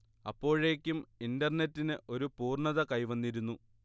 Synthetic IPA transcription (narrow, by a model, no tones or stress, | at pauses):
ɐ̰pːo̞ːɻeːkʲːumindɐrnetːinɨʔo̞ɾupuːrɳɐðɐkɐjʋɐnːiɾunːu